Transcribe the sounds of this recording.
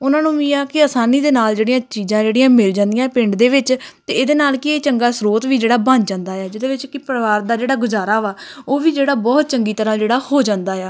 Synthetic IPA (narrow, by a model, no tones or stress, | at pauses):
ʊnãːnũːʋiːaːkɪaːsaːniːd̪eːnaːld͡ʒeːɽijãːt͡ʃiːzãːd͡ʒeːɽɪjãːmɪld͡ʒãːnd̪ɪjãpɪ̃ɳɖd̪eːʋɪt͡ʃt̪eːd̪eːnaːlkɪeːt͡ʃəŋɡaːsɾoːt̪ʋiːd͡ʒeːɽaːbəɲd͡ʒd͡ʒãːnd̪aːaːd͡ʒɪd̪eːʋɪt͡ʃkɪpəɾʋaːɾd̪aːd͡ʒeːɽaːɡʊzaːɾaːʋaːoːʋiːd͡ʒeːɽaːbɔːt̪̚t͡ʃəŋɡiːt̪əɾãːd͡ʒeːɽaːhoːd͡ʒãːnd̪aːjaː